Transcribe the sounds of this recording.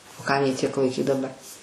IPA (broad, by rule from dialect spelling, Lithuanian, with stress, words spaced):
oː ˈkɐm jiː ˈtʲiɛk lˠɐɪˈkʲiːt dɐˈbɐr